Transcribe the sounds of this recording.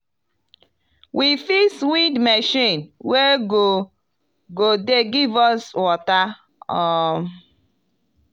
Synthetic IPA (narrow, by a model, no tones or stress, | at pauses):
wʔifiswidmɛʃĩnweɡo | ɡodeɡivɔswɔta | ɔ